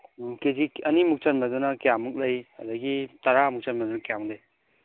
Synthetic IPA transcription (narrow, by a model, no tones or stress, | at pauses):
keziɐnimuk̚t͡ʃɐnmadunɐkjamuk̚lɐjɐd̪ɐɡitaɾamuk̚t͡ʃanmadunɐkijamɯk̚lɐj